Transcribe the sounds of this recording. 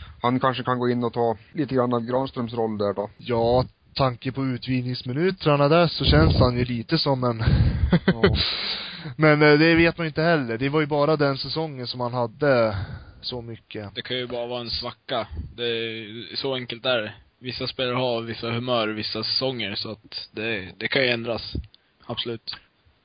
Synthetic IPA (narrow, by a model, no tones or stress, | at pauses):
hankʰanʂəkʰanɡoːɪnːɔt̪ʰɑːliːt̪əɡɾanːavɡɾɑːnst̪ɾœmsɾɔlːd̪æɖɔjɑː | t̪ʰaŋkəpʰɔʉ̟ːt̪viːnɪŋsmɪnʉ̟ːt̪ɾaɳad̪æʂɔɕɛnshanjɵliːt̪əsɔmːɛn | mɛnd̪ɛveːt̪manɪnt̪əhɛlːəɖ̪ɛvaɾjɵbɑːɾad̪ɛnsɛsɔŋːənsɔmhanɦad̪ːə | sɔmʏkːəd̪ɛkʰanjɵbɑːɾavɑːɾaɛnsvakːad̪ɛsɔɛŋkəlt̪æːɾ | vɪsːaspeːlaɾhaɾvɪsːahɵmœːɾvɪsːasɛsɔŋːəɾsɔat̪d̪ɛd̪ɛkʰanjɵɛnd̪ɾas | ab̥sɔlʉ̟ːt̪